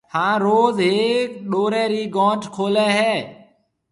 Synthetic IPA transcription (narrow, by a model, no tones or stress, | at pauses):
hãːɾoːzɦeːkɗoːɾɛːɾiːɡɔ̃ːʈkʰoːlɛːɦɛː